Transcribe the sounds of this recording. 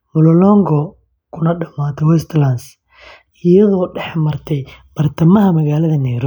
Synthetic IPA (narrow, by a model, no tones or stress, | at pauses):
mʊlɔlɔŋɡɔ | kʰʊnɐɖɐmaːt̪ʰɔwɛst̪lans | ɪjɐðɔːɖɛħmɐrt̪ʰɛjb̥ɐrt̪ʰɐmɐɦɐmɐɣaːlɐðɐnɛjɾɔ